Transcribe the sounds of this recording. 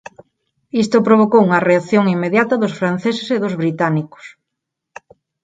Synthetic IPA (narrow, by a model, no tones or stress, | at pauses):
ist̪opɾoβ̞okowuŋɐreaθjoŋimːeðjat̪ɐðʊsfɾan̟θeseseðʊzβɾit̪anikʊ̥s